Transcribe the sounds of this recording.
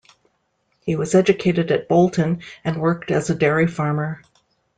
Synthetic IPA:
hiwʌzɛd͡ʒɨkʰeɪɾɨɾɨt̚b̥oʊlˠtʰɨ̃nɨ̃nwɜ˞k̚tɨzɨdɛɹifɑɹmə˞

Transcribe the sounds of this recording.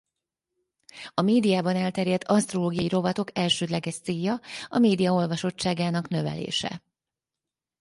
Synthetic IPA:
ɒmeːd̪ijaːbɒnɛlt̪ɛɾjɛt̪ːɒst̪ro̞loːɡijɒjiɾo̞vɒt̪o̞kɛlʃøːd̪lɛɡɛʃt̪seːjːɒɒmeːd̪ijɒo̞lvɒʃo̞t͡ʃːaːɡaːnɒknø̞vɛ̰lḛːʃɛ̰

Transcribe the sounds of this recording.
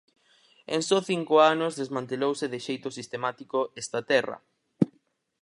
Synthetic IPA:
ẽŋsɔθiŋkʊanʊzðezmãnt̪elowseðɪʃejt̪ʊsist̪emat̪ikoest̪ɐt̪ɛrɐ̰

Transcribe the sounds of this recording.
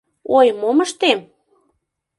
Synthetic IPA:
ojmoməʃt̪em

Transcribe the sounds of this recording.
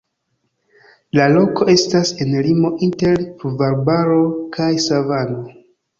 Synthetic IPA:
lalo̞ko̞e̞stase̞nlimo̞ʔinte̞ɾpuvaɾbaɾo̞kʰajsavano̞

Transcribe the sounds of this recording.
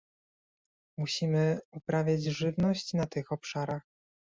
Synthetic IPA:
muɕimɘupɾavʲjad͡ʑʐɘvnɔɕt͡ɕnat̪ɘxɔpʂaɾax

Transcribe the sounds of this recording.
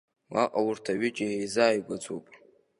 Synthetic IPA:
wa̰qʼawʊrtʰaɥɪt͡ʃʼiejzaːjɡʷat͡sʷʼupʼ

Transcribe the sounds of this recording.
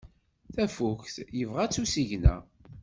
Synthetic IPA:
θæfuçθjəvʁæt͡sːusiʝnæ̰

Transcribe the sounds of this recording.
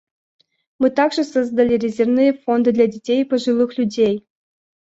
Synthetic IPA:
mɨt̪ɑɡʐɨ̆sozd̪alʲeɾʲezʲernɨjəfond̪ɨd̪lʲadʲetʲejpəʐɨlˠɯxlʲudʲej

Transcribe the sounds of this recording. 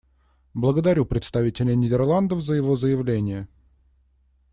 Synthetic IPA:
blˠəɡəd̪ɐɾʲupɾʲɪt̪st̪ɐvʲitʲɪlʲɪjnʲɪdʲɪrlˠand̪əfzəjɪvo̞zəjɪvlʲenʲɪjə

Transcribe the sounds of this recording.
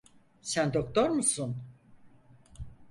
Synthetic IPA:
sænd̪ok̚t̪ʰoɾmusun

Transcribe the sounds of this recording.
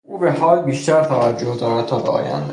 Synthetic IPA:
ʔuːbehɒːlbiːʃt̪ʰæɾt̪ʰævæd͡ʒːohd̪ɒːɾæd̪̚t̪ʰɒːbeɒ̰ːjæ̰nd̪

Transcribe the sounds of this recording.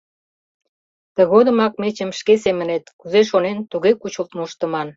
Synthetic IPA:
t̪ə̆ɣod̪ə̆mɑk̚met͡ɕə̆mʃkesemənet̪kuzeʃonent̪uɣekut͡ɕəlt̪muʃt̪ə̆mɑn

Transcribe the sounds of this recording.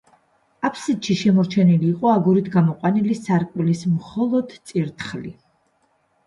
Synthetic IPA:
apʰsid̪ʃiʃɛmɔɾt͡ʃʰɛniliːqʼɔaɡuɾit̪ʰɡamɔqʼwanilisaɾkʼwilismχɔlˠɔd̪t̪sʼiɾt̪ʰχli

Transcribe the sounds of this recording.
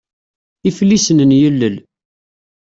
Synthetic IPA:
iflːisənənjəlːəl

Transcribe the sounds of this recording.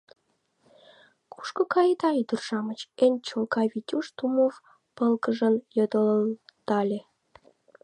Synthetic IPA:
ku̥ʃkokɑjəd̪ɑyd̪ərʒɑmət͡ɕenʲt͡ɕolkɑβʲitʲuʃt̪umov | pəlkəʒənjod̪ələnt̪ɑlʲe

